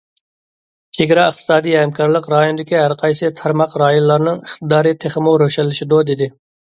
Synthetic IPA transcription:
t͡ʃʰeɡʲɾɑəχt̪ʰɨ̥sɑːd̪ijɦɛmkʰɑɾlˠəqɾɑːjonɨd̪ɪkʲiɦæɾqʰɑjsɨt̪ʰɑɾmɑqɾɑːjonlˠɑɾnɨŋiχt̪ɨd̪ɑːɾɨt̪ʰeχɪmuɾøʃɛlːɪʃɪd̪ud̪ɪd̪ɪ

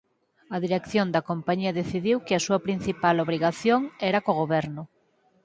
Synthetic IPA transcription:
ɐðiɾekθjond̪ɐkompaɲiɐðeθiðiwkɪasuɐpɾin̟θipaloβ̞ɾiɣaθjoŋɛɾɐkoɣoβɛɾnʊ

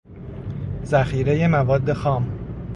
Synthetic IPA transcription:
zæxiːɾe̞je̞mævɒːd̪ːe̞xɒːm

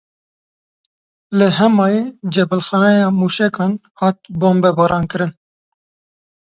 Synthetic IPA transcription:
lɨɦɛmɑːjed͡ʒɛbəlxɑnɛjɑːmuːʃɛkɑːnhɑːt̪̚boːmbɛbɑːɾɑːnkɨɾɨn

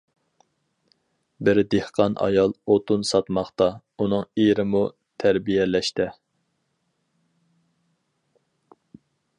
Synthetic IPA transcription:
bɪɾd̪ehqʰɑnʔɑ̰jɑlˠot̪unsɑt̪mɑχt̪ɑ | unɨŋeɾɪmu | t̪ʰæɾbijɛlɛʃt̪ɪ

